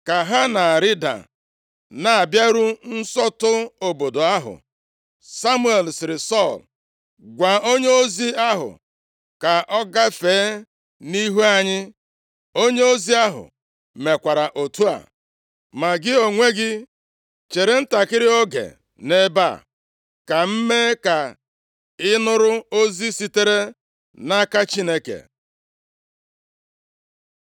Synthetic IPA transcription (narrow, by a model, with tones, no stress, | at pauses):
ka˨ɦa˦na˨ɾi˦da̰˨ | na˨a˨bja˦ɾu˦n̩˦sɔ˦tʊ˦o˨bo˨do˨a˦ɦʊ̰˨ | sa˦mu˦e˨lsɪ˨ɾɪ˨sɔ˦˨l | ɡʷa˨o˦ɲe˦o˦zi˦a˦ɦʊ̰˨ | ka˨ʔɔ˦ɡa˦feː˨˦ | ni˦ɦu˦a˦ɲɪ˦ | o˦ɲe˦o˦zi˦a˦ɦʊ̰˨ | me˨kʷa˨ɾa˨ʔo˨tu˦a̰˨ | ma˨ɡɪ˦o˨ŋʷe˦ɡɪ˦ | t͡ʃe˨ɾe˨n̩˦ta˨kɪ˦ɾɪ˦o˦ɡḛ˨ | ne˦ba̰˦˨ | ka˨m̩˦me˦ka˨ | ɪ˦nʊ˦ɾʊ˦o˦zi˦si˦te˦ɾe˦ | na˦ka˦t͡ʃi˦ne˦kḛ˨